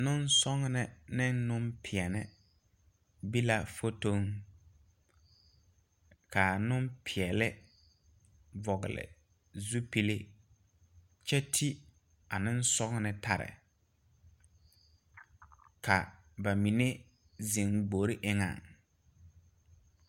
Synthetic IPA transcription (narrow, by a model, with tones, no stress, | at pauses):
nʊ˦n˦sɔ˦ŋnɪ˨nɪ˦nːʊ˦mpʰɪ˨ɛ˨nɪ˦ | bi˦la˦fo˦to˦ŋ | ka˨nʊ˦mpʰɪ˨ɛ˨lɪ˦ | vɔ˨ɣɪ̰˨lɪ̰˨ | zu˦pi˦le˦ | t͡ʃɛ˦tʰi˦ | a˨nɪ˦n̩˦sɔ˦ŋ˦nɪ˨tʰa˨ɾɪ̰˨ | ka˨ | ba˨mi˨ne˦ | zi˨ŋɡ͡bo˨ɾi˦ʔɪ˦ŋa̰˨ŋ